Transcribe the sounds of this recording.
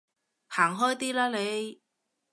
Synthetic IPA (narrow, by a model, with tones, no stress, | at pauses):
haː˨˩ŋɦɔː˥jt̪iː˥laː˥le˨˧j